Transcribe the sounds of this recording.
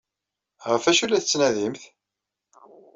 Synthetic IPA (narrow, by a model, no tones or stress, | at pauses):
ʁəfæʃulæθət͡sːnæðimθ